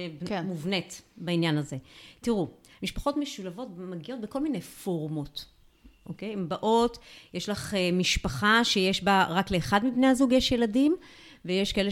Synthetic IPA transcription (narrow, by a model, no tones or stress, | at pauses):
bmuvnetbainjanaze̞tiʁumiʃpḁχo̞tmeʃulavo̞tmaɡiʔo̞t̪̚beko̞lminejfo̞ʁmo̞t | ʔo̞̰ke̞jembaʔo̞tjeʃlaχemiʃpaχaʃejeʃbaʁakle̞ːχadmibne̞jhazuɡjeʃjeladim | vejeʃkaele